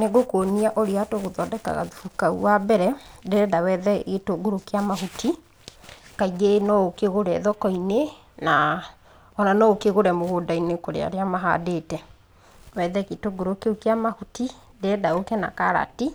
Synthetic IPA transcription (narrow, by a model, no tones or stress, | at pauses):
neɣokoniaʔoɾeatoɣoðɔdɛka̰ɣa̰ðufukaṵwabɛɾɛdeɾɛdawɛðɛɣetoɡoɾokeamaɦutʰi | kaiɣenɔokeɣoɾɛðɔkɔine | na | ɔnanɔokeɣoɾɛmoɣodainekoɾḛa̰ɾeamaɦa̰detɛ | wɛðɛɣetoɡoɾokeukeamahuti | deɛdaokɛna̰kaɾa̰ti